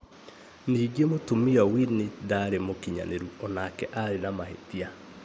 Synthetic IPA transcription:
niːɡemotomiɔwinedaɾemokiɲa̰neɾuɔnakɛʔaɾenamahḛtia

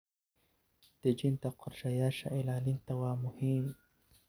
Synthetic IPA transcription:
t̪ed͡ʒint̪aqʰʊɾʃajaʃa̰ʔelalint̪awamuhin

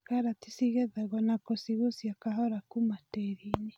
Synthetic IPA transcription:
kaɾatisiɣɛðaɣɔnakosiɣosjakaɦɔɾakumateɾiɲi

